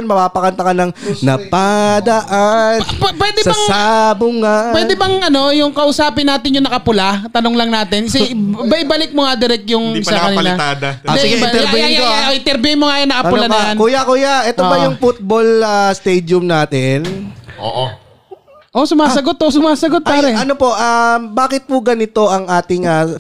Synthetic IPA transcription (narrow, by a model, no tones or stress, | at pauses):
nmɐpaːpɐkɐnt̪ɐkɐnɐŋnɐpad̪ɐʔanpwɛːd̪ɛsbɐŋabʊŋapwɛːd̪ɛbɐŋʔɐno̞jʊŋkɐʔʊsaːpɪnːaːt̪ɪnjʊŋnɐkɐpʊlat̪ɐnoŋlɐŋnaːt̪ɪnsɪbɐʔɪbalɪk̚moŋad̪ɪɾɛk̚t̪jʊŋɪsakɐnɪlaad̪ɐosɪɡɐt̪ɛɾbɛʔoʔɪt̪ɛɾbɛmoŋajʊnɐkɐʊlanɐjankʊjakʊjaʔɛt̪obɐjʊŋfʊt̪̚bolast̪ɛjd̪jʊmnaːt̪ɪno̰ʔ | ʔo̞sʊmaːsɐɡt̪̚ːosʊmaːsɐɡot̪̚paːɾɛɐnopo̞ʔambaːkɪt̪̚pʊɡɐnɪt̪o̞ʔɐŋʔaːt̪ɪŋɐ